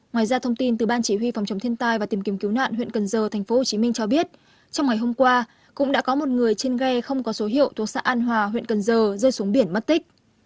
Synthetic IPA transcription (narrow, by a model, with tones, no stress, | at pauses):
ŋwaː˨˩jzaː˧t̪ʰə˧wŋ͡mt̪i˧nt̪ɨ˨˩ɓaː˧nt͡ɕi˧˩wi˧fa˨˩wŋ͡mt͡ɕə˨˦wŋ͡mt̪ʰi˧ənt̪aː˧jvaː˨˩t̪i˨˩mki˨˦əmki˨˦wna̰ː˧˨nhwḭ˧˨nkə˨˩nzəː˨˩t̪ʰɛ˨˩ŋ̟fo˨˦ho˨˩t͡ɕi˨˦mï˧ŋ̟t͡ɕɔ˧ɓi˦˥ət̚ | t͡ɕɔ˧wŋ͡mŋa˨˩jɦo˧mkwaː˧ | kʊ̰˧˥ŋ͡mɗa̰ː˧˥kɔ˨˦mo˨˩t̚ŋɨ˨˩əjt͡ɕe˧nɣɛ˧xə˧wŋ͡mkɔ˨˦so˨˦ɦḭ˧˨əwt̪ʰu˨˩ək̚sa̰ː˧˥ʔaː˧nɦwaː˨˩ɦwḭ˧˨ənkə˨˩nzəː˨˩zəː˧jsu˨˦ŋɓi˧˩ənmə˦˥t̚t̪ï˦˥k̟̚